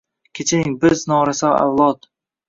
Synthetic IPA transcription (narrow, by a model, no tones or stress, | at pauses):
kʲʰet͡ʃʰanɪŋbɪznɒɾasɒa̰wlˠɒt̪